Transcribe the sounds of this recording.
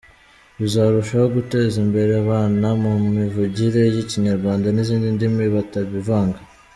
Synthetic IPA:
uzaːɾuʃaho̞ɡute̞ːzimbe̞ɾe̞aβaːnamumivuɟiɾe̞jiciɲaɾɡwaːndaniziːndindimiβataβivaːŋɡa

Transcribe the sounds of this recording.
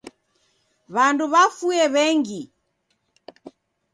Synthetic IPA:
βanduβafuɛβɛŋɡi

